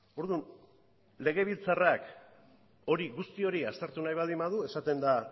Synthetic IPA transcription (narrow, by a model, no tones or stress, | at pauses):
o̞ɾðun | le̞ɣ̞e̞β̞ilt͡sarak | o̞ɾiɣust̪io̞ɾiast̪eɾt̪unajβald̪imaðue̞sat̪e̞nd̪a